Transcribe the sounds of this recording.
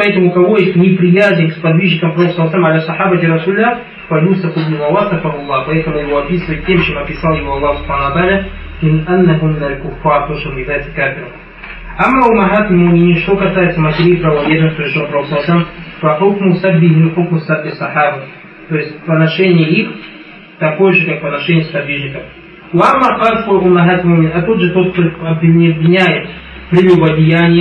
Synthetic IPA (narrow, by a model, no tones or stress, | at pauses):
pɐɛt̪əmʊkɐvo̞jesʲt̪ʲnʲɪpɾʲɪjæzʲnʲɪkspɐd̪vʲiʒɲʲɪkəmpɾɐokslˠːɐsalʲmɐlʲasˤɐħabɐt̪ʲɪɾɐsulʲɪlːa | pɐlʲusɐfubnumɐwasɨfɐɦʊlˠːɑpɐɛt̪əmʊjɪvo̞ɐpʲisɨvəjɪt̪̚ʲːemt͡ɕemɐpʲɪsɑlˠjɪvo̞ɐlˠːɑhsʊ̥pħanəvɐt̪ɐalʲɐ | mɪnanːɐɦʊnːɐlkʊfːɑrt̪o̞ʂt̪onjɪvlʲajɪt̪səkapʲɪɾə̰ | amːɐʊmːɐɦat̪lʲmuʔmʲɪnʲiʂt̪o̞kɐsajɪt̪səmɐtʲɪɾʲiːpɾɐvɐvʲed̪nɨfpɾʲɪʂlˠapɾɐɾokslːˠɐsalʲmfɐħʊkmʊsabːɪɦiħʊkmʊsabːisːɑħɑbɐ | t̪o̞jɪsʲtʲpənɐʂɛnʲɪjəix | t̪ɐko̞jəʐɨkakpənɐʂɛnʲɪjəspɐd̪vʲiʐɲʲɪkəf | wamːɐɾqɑlskolʔʊmːɐɦat̪lʲmuʔmʲɪnʲɐt̪ud̪ʐɨt̪o̞t̪̚k̪oɐbvʲɪɐbvʲɪnʲæjɪt̪ | pɾʲɪlʲubɐdʲɪjænʲɪjə